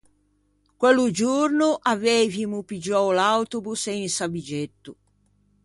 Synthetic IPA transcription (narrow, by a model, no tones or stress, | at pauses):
kwelud͡ʒuɾnuʔavevimupid͡ʒɔwlawt̪ubuseinsabid͡ʒet̪ːu